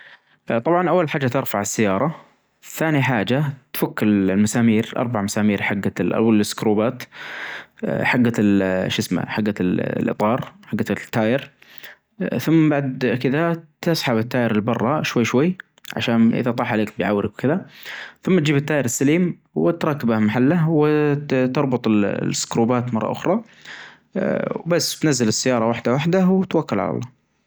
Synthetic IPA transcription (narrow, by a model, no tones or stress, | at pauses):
t̪ˤɑbʕɑnʔawːalħaːd͡ʒːat̪ɪɾfaʕɪsːajːɑːɾˤɑ | θːaːniħaːd͡ʒat̪fʊkːɪlmasaːmiːɾʔɑ̰ɾˤbaʕmasaːmiːɾħaɡːalʔa̰walɪskɾuːbaːt̪ | ħaɡːalʃɪsma̰ħaɡːalʔɨ̰t̪ˤɑːɾˤħaɡːat̪ːaːjɪɾ | θʊmːbaʕd̪kɪðat̪ɑsˤħabɪt̪ːaːjɪɾɪlbɑrˤːɑʃwajːʃwajː | ʕa̰ʃaːnʔɪ̰ðat̪ˤɑːħʕaleːkbɪjʕa̰wːɾɪkwkɪðaθʊmːat̪̚d͡ʒiːbɪt̪ːaːjɪɾɪsːaliːm | wɪt̪ɾˤɑːkːɪbahmaħalːawɪt̪ɑɾˤbʊt̪ˤɪlsːkɾuːbaːt̪mɑrˤːɑ̰ʔʊ̰xɾˤɑ | wbasːt̪nazːalɪsːajːɑːɾˤɑwaħd̪awaħd̪awt̪wakːʊlʕa̰la̰lˤːɑ̰ː